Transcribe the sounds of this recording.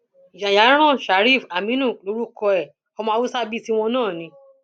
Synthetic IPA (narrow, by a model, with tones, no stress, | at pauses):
d͡ʒa˨ja˨˦ɾ̃ã˦˨ʃa˨˦ɾi˦˨fa˨mĩ˦nũ˦˨lo˨˦ɾu˦kɔ˧ɛ˨ | ɔ˧mã˧˦wu˦sa˦bi˦ti˦w̃ɔ̃˧nãː˦˨nĩ˧˦